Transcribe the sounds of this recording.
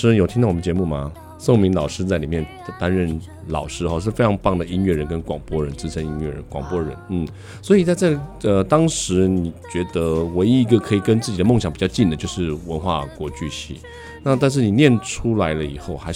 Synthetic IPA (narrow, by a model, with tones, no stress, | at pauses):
ɻ̩˥jo˨˩t̪ʰi˥t̪ɑ˥˩wɔ˨˩m˦nt͡ɕjɛ˧˥mu˥˩mɐ˩ | so˥˩ŋʊmi˧˥ŋlɑ˨˩ʊʂɻ̩˥t͡sa˥˩ɪli˨˩mjɛ˥˩n | t̪a˥nɻə˥˩n | lɑ̰˨˩ʊʂɻ̩˥xɔ˥˧ʂ̬ɻ̩˥˩fe˥ɪ˧˥ŋpɑ˥˩ŋd̪ə˩i˥nɥɛ˥˩ɻə˧˦˥nkə˥nkwɑ˨˩ŋpwɔ˥ɻə˧˥nt͡sɹ̩˥ʈ͡ʂʰə˧˥ŋi˧˥nɥɛ˥˩ɻə̰˧˦˥nkwɑ˨˩ŋpwɔ˥ɻə̰˧˦nn̩˥˩ | swɔ˧˥i˨˩t͡sa˥˧t͡sa˥˩ɪə˧t̪ɑ˥ŋʂɻ̩˧˥ni˨˩t͡ɕɥɛ˧˥d̪ə˧we˧˥ɪi˧˥˩ɡə˧kʰɤ˧˥i˨˩kə˥nt͡sɹ̩˥˩t͡ɕi˨˩d̪ə˦mo˥˩ŋɕɑ˨˦ŋpi˨˩t͡ɕɑ˥˧ʊt͡ɕi˥˩nd̪ə˩t͡ɕjo˥˧ʊʂɻ̩˥˩wə˧˥nxwa̰˥˩kwɔ˧˥t͡ɕy˥˧ɕḭ˥˩ | na˥˧t̪a˥˧nʂ̬ɻ̩˥˩ni˨˩njɛ˥˩nʈ͡ʂʰu˥la˧˥ɪlə˧i˨˩xo˥˩ʊxa˧˥ɪ